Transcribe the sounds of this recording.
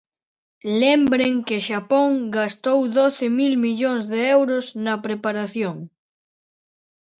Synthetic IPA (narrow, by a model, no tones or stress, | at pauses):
lembɾeŋkɪʃapoŋɡast̪owðoθɪmilmiʎoŋzðeewɾʊsnɐpɾepaɾaθjoŋ